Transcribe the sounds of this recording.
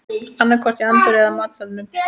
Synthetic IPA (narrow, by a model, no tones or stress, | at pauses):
anːakʰvɔr̥t̪iant̪ɪɾɛðamaːt̪salnʏm